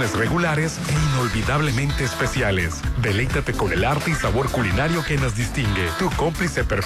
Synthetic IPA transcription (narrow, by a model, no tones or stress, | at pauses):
nesreɣulaɾeseino̞lβiðaβle̞mẽnt̪eːspe̞sjalḛsd̪e̞le̞jt̪at̪e̞ko̞ne̞laɾt̪eisaβo̞ɾkulinaɾjo̞ke̞nozd̪ist̪iŋɡet̪uko̞mplisepeɾ